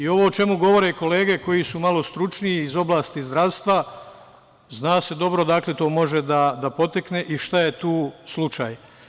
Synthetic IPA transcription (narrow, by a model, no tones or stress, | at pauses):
io̞ʋoːt͡ʃe̞muɡo̞ʋo̞ɾeko̞le̞ːɡe̞ko̞jisumalo̞st̪ɾut͡ʃniiːzo̞blaːst̪izd̪ɾaʋst̪ʋa | znaːse̞d̪o̞bɾo̞d̪aklet̪o̞ːmo̞ʒe̞d̪ad̪apo̞t̪akneʔiʃt̪aje̞t̪uːslˠut͡ʃaːj